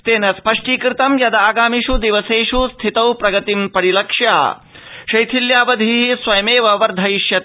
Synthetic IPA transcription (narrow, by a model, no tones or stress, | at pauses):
t̪eːnɐspɐʂʈiːkɾɪt̪ɐmjɐd̪aːɡaːmiʃud̪iʋɐseːʂust̪ʰit̪ɐwpɾɐɡɐt̪impɐɽilɐkʂjaː | ʃɐjt̪ʰiljaːʋɐd̪ʱiɦisʋɐjɐmeːʋɐʋɐɾd̪ʱɐjʃjɐ